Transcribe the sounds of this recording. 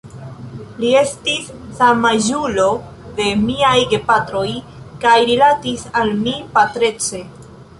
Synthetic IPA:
lie̞stisː | amaʒulo̞ | de̞miajɡe̞patɾo̞j | kajɾilatisalmipatɾe̞t͡se̞

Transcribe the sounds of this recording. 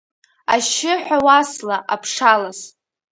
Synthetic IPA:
a̰ʃɪħʷᶣawaslaʔapʰʂalas

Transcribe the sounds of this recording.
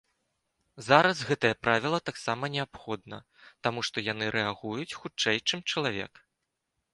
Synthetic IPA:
zaɾɐsɣɛt̪ɐjɐpɾʔavʲilˠɐt̪aksamɐnʲɛapxɔd̪̚nɐ̰ | t̪amuʂt̪ɔjanɨɾʔɛaɣujut͡sʲxut͡ʂɛjt͡ʂɨmt͡ʂɐlˠavʲɛ̰k

